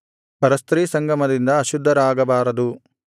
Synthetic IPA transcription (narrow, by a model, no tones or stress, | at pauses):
pɐɾɐst̪ɾiːsɐŋɡɐmɐd̪ind̪ɐːʃud̪ʱːɐɾaːɡɐbaːɾɐd̪u